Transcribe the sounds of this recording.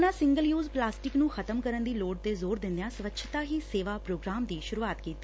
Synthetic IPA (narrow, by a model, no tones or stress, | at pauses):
nãːsɪ̃ŋɡəljuːzplaːsʈɪknũːxʰət̪əmkəɾənd̪iːloːɖ̚t̪eːzoːɾd̪ɪ̃nd̪ejãːsəʋətːʃʰt̪aːɦiːseːʋaːpɾoːɡɾaːmd̪iːʃʊɾuːaːt̪kiːt̪ːi